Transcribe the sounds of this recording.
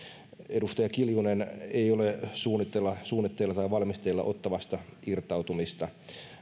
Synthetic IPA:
edust̪ɑjɑkiljuneneiolesuːnːˑit̪ːelːɑsuːnːˑit̪ːelːɑt̪ɑiʋɑlmist̪elːɑ̰ʔot̪ːɑʋɑst̪ɑirt̪ɑut̪umist̪ɑ

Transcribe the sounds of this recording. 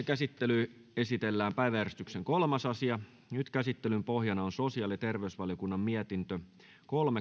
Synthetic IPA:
kæsit̪ːely | e̞sit̪elːæːmpæiʋæærst̪ykseŋko̞lmɑsɑsiɑ | nyt̪kæsit̪ːelympo̞ɦjɑnɑonso̞siɑːlit̪e̞rʋeysʋɑljokunːɑmmiɛt̪int̪ø | ko̞lme

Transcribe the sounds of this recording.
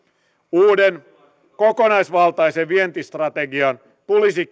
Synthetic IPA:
uːden | ko̞konɑjsʋɑlt̪ɑjseʋʋient̪ist̪rɑt̪eɡiɑn | t̪ulisi

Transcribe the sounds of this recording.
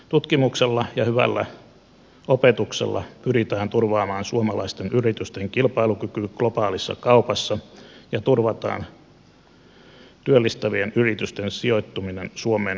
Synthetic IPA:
t̪ut̪kimukselːɑjɑhyʋæ̰lːæ̰ | opet̪uksḛlːɑ̰pyrit̪æːnt̪urʋɑːmɑːnsuomɑlɑist̪enʔyrit̪yst̪eŋkilpɑilukykyɡ̥lopɑːlisːɑ̰kɑupɑsːɑjɑt̪urʋɑt̪ɑ̰ːn | t̪yølːist̪æʋienyrit̪yst̪ensio̞it̪ːuminensuomeːn

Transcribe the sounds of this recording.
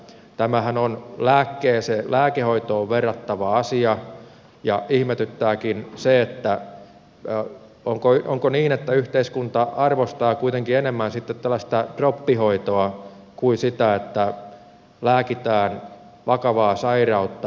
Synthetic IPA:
t̪æmæhænonlæːkːeːselæːkehoit̪oːʋʋerːɑt̪ːɑʋɑɑsiɑ | jɑʔihmet̪yt̪ːæːkinseet̪ːæ | oŋkoʔoŋkoniːnet̪ːæyht̪eiskunt̪ɑʔɑrʋost̪ɑːkuit̪eŋkienemːænsit̪ːet̪t̪ælːæst̪ɑd̥ropːihoit̪oɑ | kuisit̪æet̪ːæ | læːkit̪æːn | ʋɑkɑʋɑːsɑirɑut̪ːɑ

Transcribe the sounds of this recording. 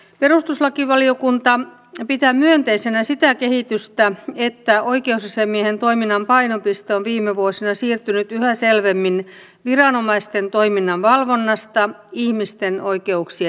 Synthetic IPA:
perust̪uslɑkiʋɑliokunt̪ɑ | pit̪æmyønt̪eisenæsit̪ækehit̪yst̪æet̪ːæʔoikeusɑsemːiehent̪o̞iminːɑmpɑinopist̪eonʋiːmeʋuosinɑsiːrt̪ynyt̪yhæselʋemːin | ʋirɑnomɑist̪ent̪o̞iminːɑnʋɑlʋonːɑst̪ɑihmist̪enoike̞uksi

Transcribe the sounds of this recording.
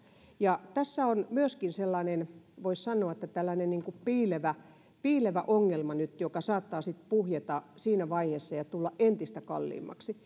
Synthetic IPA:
jɑt̪æsːæonmyøskinselːɑːnenʋoissɑnːˑoɑĕt̪ːæt̪ælːænenniŋkuppiːleʋæ | piːleʋæʔoŋːelmɑnyt̪jokɑsɑːt̪ːɑːsit̪puhjet̪ɑsiːnæʋɑiheːsːɑjɑt̪ulːɑʔʔent̪ist̪ækɑ̰lːḭːmːˑɑ̰ksi

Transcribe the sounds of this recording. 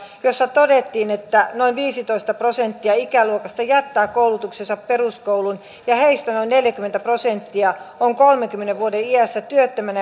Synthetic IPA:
josːɑt̪odet̪ːiːnet̪ːænoinʋiːsit̪oist̪ɑprosent̪ːiɑikæluokɑst̪ɑjæt̪ːæːkkoulut̪uksesɑpperuskowlun | jɑheist̪ænoinneljækyment̪æprosent̪ːiɑoŋkolmeŋkymːeneʋʋuodeiæsːæt̪yøt̪ːømænæ

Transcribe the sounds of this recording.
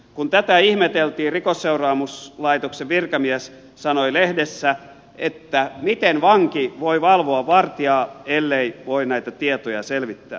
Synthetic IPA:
kunt̪æt̪æihmet̪elt̪iːrikosːeurɑːmuslɑit̪okseʋʋirkɑmiæs | sɑnoilehdesːæ | et̪ːæmit̪enʋɑŋkiʋoiʋɑlʋoɑʋʋɑrt̪iɑːelːeiʋoinæit̪æt̪iet̪ojɑ̰selʋit̪ːæ̰ː

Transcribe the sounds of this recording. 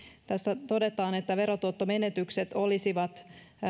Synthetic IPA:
t̪æst̪æt̪o̞de̞t̪ɑːnet̪ːæʋe̞ɾot̪uot̪ːome̞net̪ykset̪o̞lisiʋɑt̪

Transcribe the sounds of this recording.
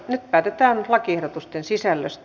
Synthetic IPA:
nyt̪̚pæːt̪et̪æːnlɑkiehɾot̪ust̪ensisælːø̰st̪

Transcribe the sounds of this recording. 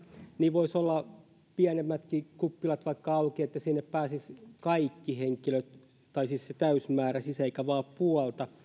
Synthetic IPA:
niːʋoisolːɑ | piænemːæt̪kikupːilɑt̪ʋɑikːɑɑukiet̪ːæsinːeppæːsiskɑikːiheŋkiløt̪ | t̪ɑisisset̪æysmæːræsiseikæʋɑːppuɔlt̪ɑ

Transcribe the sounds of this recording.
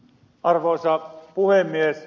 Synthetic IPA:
ʔɑrʋoˑːsɑpuhemːies

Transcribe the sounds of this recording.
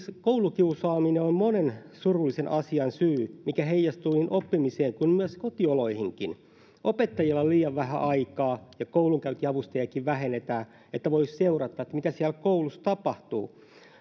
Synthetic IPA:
skoulukiusɑːmineommonensurulːisenʔɑsiɑnsyːmikæɦeijɑst̪uininʔopːimiseːŋkunmyøskot̪ioloihiŋkin | ʔopet̪ːɑjilːɑliːjɑʋʋæɦæ̰ʔɑikɑːjɑkouluŋkæyt̪iɑʋust̪ɑjɑkiʋʋæɦenet̪æː | et̪ːæʋoisseurɑt̪ːɑːet̪ːæmit̪æsiælkoulust̪ɑpɑht̪ṵː

